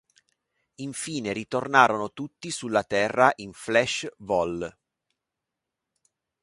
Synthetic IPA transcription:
iɱfiːneɾit̪ornaːɾonot̪ut̪ːisulːat̪ɛrːaʔiɱflɛʃvɔl

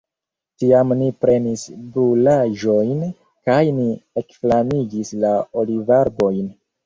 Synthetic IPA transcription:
tiamnipɾe̞nisbulaʒo̞jn | kajniekflaniɡislaolivaɾbo̞jn

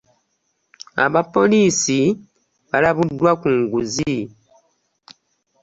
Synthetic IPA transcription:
a̰βapo̞liːsi | βalaβudːwakuːŋɡuzi

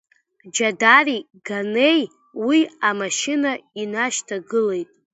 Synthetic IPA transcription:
d͡ʒadari | ɡane̞j | wiamaʃɪnainaʃtʰaɡɨle̞jtʼ

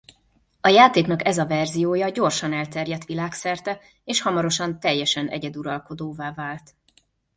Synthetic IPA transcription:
ɒjaːt̪eːknɒkɛzɒvɛrzijoːjɒɟo̞rʃɒnɛlt̪ɛrjɛt̪ʋilaːksɛrt̪ɛ | eːʃhɒmɒɾo̞ʃɒnt̪ɛjːɛʃɛnʔɛ̰ɟɛd̪uɾɒlko̞d̪oːvaːvaːlt̪

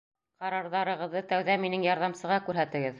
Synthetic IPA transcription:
qɑɾɑɾðɑɾɤ̆ʁɤ̆ðːɤt̪æwðæminɘŋjɑɾðɑmsɤ̆ʁɑkʉɾɦæt̪ɘ̆ɡɘð

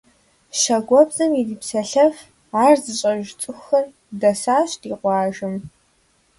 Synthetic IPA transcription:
ʃɐɡʷɔbzɐmidiːpsɐɬɐf | aːrzɨɕʼɐʒt͡sʼɨxɐr | dɐsaːɕtiːqʷɑːʒɨm

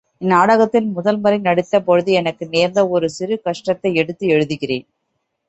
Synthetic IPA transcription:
ɪnːaːɽɐɣɐt̪ːɪlmʊðɐlmɐɾinɐɽɯt̪ːɐpɔɻɯðiɛnɐkːɯneːɾnd̪ɐɔɾɯsɪɾɯkɐʂʈɾɐt̪ːɐɪɛɽɯt̪ːɯɛɻɯðɯɣɪreːn

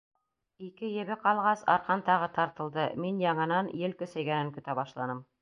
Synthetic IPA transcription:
ikɘjɘ̆βɘqɑlˠʁɑsɑ̰ɾqɑnt̪ɑʁɤt̪ɑɾt̪ɤ̆lˠd̪ɤminjɑɴɤ̆nɑnjɘlkɵ̆sæjɡænɘŋkɵ̆t̪æβɑʃlˠɑnɤm

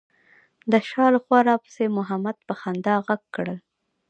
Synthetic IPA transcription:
d̪əʃɑləxwɑɾɑpə̥semʊɦamad̪̚pəxand̪ɑɣaɡkɽəl

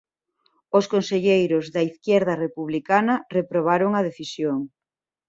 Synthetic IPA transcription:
oskonseʎejɾʊzðɐiθkjɛɾð̞ɐrepuβ̞likanɐrepɾoβ̞aɾoŋɐð̞eθisjoŋ

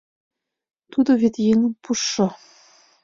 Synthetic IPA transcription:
t̪ud̪oβet̪jeŋə̆mpuʃːɤ̆

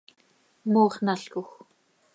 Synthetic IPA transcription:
moːχnaɬkʊx

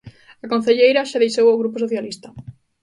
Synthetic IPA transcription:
akõn̟θeʎejɾɐʃaðejʃowawɣɾupʊs̬oθjalist̪ɐ

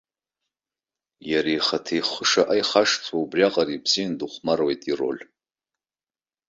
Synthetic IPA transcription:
jaɾejχatʰejχʷəʂaʔajχaʂt͡sʷʰaubrʲaqʼaripʰsinduχʷmarwejtʼiro̞̰lʲ

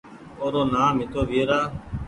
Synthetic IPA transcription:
oːɾoːnaːmɪt̪oːʋiːɾaː

